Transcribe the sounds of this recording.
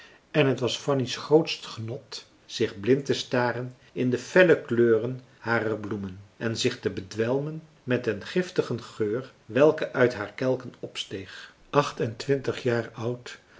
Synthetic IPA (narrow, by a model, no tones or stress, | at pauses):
ɛnɦətʋɑsfɑnisχrowtstχənɔt | z̥ɪχblɪntəstaːrən | ɪndəfɛləkløːrən | haːrərblumənɛnzɪχtəbədʋɛlˠmən | mɛtənχɪftəχənχøːr | ʋɛlˠkəʔœɥtɦaːɹkɛlˠkənɔpstejχ | ʔɑχtɛntʋɪntəχjaːɹʌwt